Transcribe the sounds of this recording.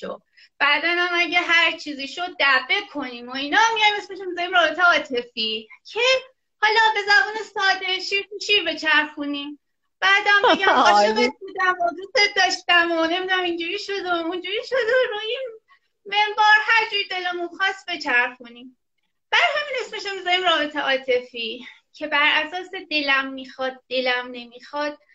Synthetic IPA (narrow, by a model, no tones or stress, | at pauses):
ʃo̰ | b̥æd̪ænæmæɟeɦæɾt͡ʃʰiːziʃod̪̚ːæbe̞kʰo̞niːmoinɒmːijɒjmesmeʃemezæɾimɾɒːbe̞t̪ʰeɒːt̪ʰe̞ficʰe̞ | hɒːlɒbe̞zæbuːne̞sɒːd̪eʃipuʃibe̞t͡ʃʰæɾfunim | b̥æːd̪æmeɡæmmɒːʃebet̪̚bud̪æmod̪ust̪et̪̚d̪ɒːʃt̪æmone̞mid̪unæmind͡ʒuɾiːʃo̞d̪ound͡ʒuːɾiʃod̪oɾuin | mebɒːɾhæɾd͡ʒuːɾid̪elemũmxɒst̪be̞t͡ʃʰæɾxunim | b̥ædhæmine̞smeʃamːizæɾimɾɒːbe̞t̪ʰe̞ʔɒːt̪ʰe̞ficʰe̞bæɾʔæsɒːse̞d̪e̞læmːixɒːd̪̚ːe̞læmne̞mixɒd̪̥̚